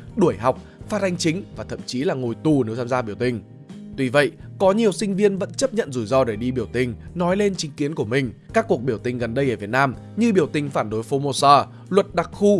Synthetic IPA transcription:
ɗu˧˩əjɦa˨˩wk͡p̚faː˦˥t̚ʔa˧ŋ̟t͡ɕï˨˦ŋ̟vaː˨˩t̪ʰə̰˧˨mt͡ɕi˨˦laː˨˩ŋo˨˩jt̪u˨˩nɨ˨˦wt̪ʰaː˧zaː˧ɓi˧˩əwt̪ï˨˩ŋ̟ | t̪wi˧˩və̰˧˨jkɔ˨˦ɲi˨˩əwsï˧ŋ̟vi˧ənvə̰˧˥nt͡ɕə˦˥p̚ɲə̰˧˨nzu˧˩jzɔ˧ɗe˧˩ɗi˧ɓi˧˩əwt̪ï˨˩ŋ̟nɔ˨˦jle˧nt͡ɕï˨˦ŋ̟ki˨˦ənku˧˩əmï˨˩ŋ̟ | kaː˦˥kːu˨˩ək̚ɓi˧˩əwt̪ï˨˩ŋ̟ɣə˨˩nɗə˧jʔəː˧˩vi˨˩ət̚naː˧m | ɲɨ˧ɓi˧˩əwt̪ï˨˩ŋ̟faː˧˩nɗo˨˦jfo˧mo˧səː˧ | lwə˨˩t̚ɗa˨˩k̚xu˧

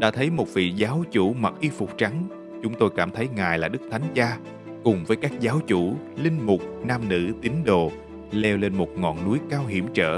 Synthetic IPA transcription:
ɗa̰ː˧˥t̪ʰə˨˦jmo˨˩t̚vḭ˧˨zaː˨˦wt͡ɕu˧˥ma˨˩k̚ʔi˧fʊ˨˩k͡p̚t͡ɕa˨˦ŋ | t͡ɕʊ˨˦ŋ͡mt̪o˧jkaː˧˩mt̪ʰə˨˦jŋaː˨˩jlaː˨˩ɗɨ˦˥k̚t̪ʰa˨˦jŋ̟zaː˧ | kʊ˨˩ŋ͡mvəː˨˦jkaː˦˥k̚zaː˨˦wt͡ɕu˧˩ | lï˧ŋ̟mʊ˨˩k͡p̚naː˧mnɨ̰˧˥t̪ï˨˦ŋ̟ɗo˨˩ | lɛ˧wle˧nmo˨˩t̚ŋɔ̰˧˨nːu˨˦jkaː˧wɦḭ˧˩əmt͡ɕə̰ː˧˩

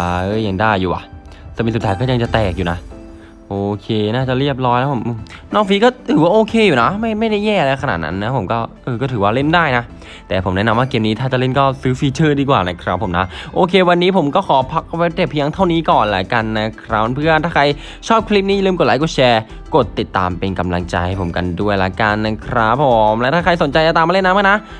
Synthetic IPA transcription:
a˧˦˥ja˧˩ŋdaː˥˩jːuː˨˩ʔa̰˨˩ʔ | sɯː˧˩mi˧su˨˩aː˦˥jkɔː˥˩ja˧ŋt͡ɕa˨˩t̪ɛː˨˩k̚juː˨˩na˦˥ʔ | ʔoː˧kʰeː˧naː˥˩t͡ɕa˨˩ɾi˥˩əp̚lɔː˦˥jlɛː˦˥pʰo˩˦mʔɯː˧˩mnɔː˥˩ŋfiː˧˥kɔː˥˩t̪ʰɯː˩˦waː˥˩ʔoː˧kʰeː˧juː˨˩na˦˥ma˥˩jma˥˩jnaː˥˩jɛː˥˩ʔa˧la˧kʰa˧na̰ː˨˩t̪̚na̰˦˥nːa˦˥pʰo˨˩˦mkɔː˥˩ʔɤː˧kɔː˥˩t̪ʰɯː˩˦waː˥˩le˥˩ndaː˥˩jna˦˥ʔ | t̪ɛː˨˩pʰo˩˦mnɛ˦˥na˧mwaː˥˩keː˧mniː˦t̪ʰaː˥˩t͡ɕa˨˩le˥˩nkɔː˥˩sɯː˦˥fiː˧t͡ɕʰɤː˥˩diː˧kwaː˨˩na˦˧˩kʰɾa˦˥p̚ʰːo˨˩˦mna˦˥ʔoː˧kʰeː˧wa˧nːiː˦˥pʰo˩˦mkɔː˥˩kʰɔː˨˩˦pʰa˦˥k̚we˦˥p̚de˨˩pʰːi˧ja˧˥ŋt̪ʰa˥˩wniː˦˥kɔː˨˩nla̰˦ka˧nːa˦˥kʰɾa˦˥˧pʰɯ˥˩ə˨nt̪ʰaː˥˩kʰa˧j | t͡ɕʰɔː˥˩p̚kʰli˦˥p̚niː˥˩˨a˨lɯː˥˩mko˨˩t̚laː˨˦jko˨˩t͡ɕʰɛː˧ | ko˨˩t̪ːi˨˩t̪ːa̰ː˧mpe˧nka˧mla̰˧ŋt͡ɕa̰˧jpʰo˩˦mka̰˧ndu˥˩əjla̰˨˦ka˧nːa˦˥kʰɾa˦˥pʰːo˨˩˦mlɛ˦˥t̪ʰaː˥˩a˧jso˩˦nt͡ɕa˧jta˨˩t̪aː˧maː˧le˥˩nːa˦˥ma˥˩na˦˥ʔ

